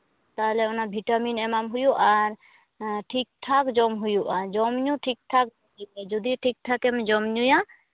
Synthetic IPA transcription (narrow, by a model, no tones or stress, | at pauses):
t̪aɦɛlɛɔnabʱiʈaminɛmamɦujuʔaɾ | ʈʰik̚ʈʰakd͡ʒɔmɦujuʔad͡ʒɔmɲuʈʰik̚ʈʰak̚dɔiɛd͡ʒɔd̪iʈʰik̚ʈʰakɛmɛd͡ʒɔmɲuja